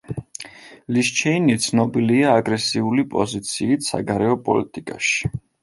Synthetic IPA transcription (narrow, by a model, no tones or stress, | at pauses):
liʃt͡ʃʰɛinit̪sʰnɔbiliaːɡɾɛsiulipʼɔ̰zit̪sʰiːt̪ʰsa̰ɡaɾɛɔpʼɔ̰lit̪ʼikʼa̰ʃi̥